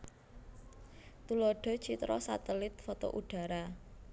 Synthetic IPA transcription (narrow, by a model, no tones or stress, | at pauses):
t̪ulɔɖ̥ɔ̤t͡ʃit̪ɾɔsat̪ɛlɪt̪̚fɔt̪o̰ʔuɖ̥a̤ɾa